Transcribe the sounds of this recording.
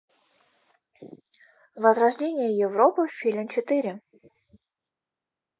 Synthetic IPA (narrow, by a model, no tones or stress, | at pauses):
vɐzɾɐʐdʲenʲɪjəjɪvɾopɨfʲilʲmt͡ɕɪt̪ɨɾʲɪ